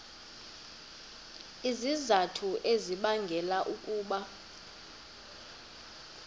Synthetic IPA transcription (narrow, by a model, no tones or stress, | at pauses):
izizatʰuʔeziɓaŋɡʱɛlaʔukʼuːɓa